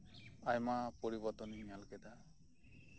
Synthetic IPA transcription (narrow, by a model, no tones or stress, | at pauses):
ajmapoɾibɔɾt̪ɔnijalkɛd̪a